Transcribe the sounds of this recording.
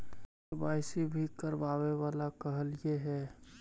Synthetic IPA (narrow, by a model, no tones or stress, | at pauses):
baːɪsibʱikəɾʋaːʋeʋaːlakəɦəljeɦɛː